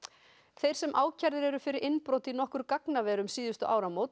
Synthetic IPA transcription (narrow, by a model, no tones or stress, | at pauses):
θejɾ̥sɛmʔaːwcʰaɾðɪɾɛɾʏfɪɾɪɾʔɪnpɾoːwt̪inɔhkʏɾkaknavɛːɾʏmsiːðʏst̪ʏʔaːwɾamoːwt̪